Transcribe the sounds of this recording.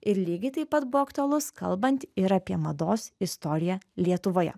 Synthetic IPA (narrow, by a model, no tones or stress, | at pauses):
ɪɾlʲiːɡʲɐɪt̪ɐɪpɐt̪bʊʋɔːɐkt̪oɔlˠʊskɐ̰lˠbɐnʲt̪ʲɪɾɐpʲiɛmɐd̪oːsɪst̪ɔːɾʲɪjɛlʲiɛt̪ʊʋoːjɛ̰